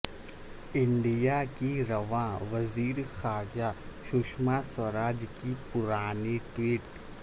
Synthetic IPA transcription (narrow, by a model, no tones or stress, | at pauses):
ɪ̃ɳɖijakiɾɐʋãʋɐziːɾxaːɾd͡ʒaʃʊːʃmasɐɾaːd͡ʒkipʊɾaːniʈwiːʈ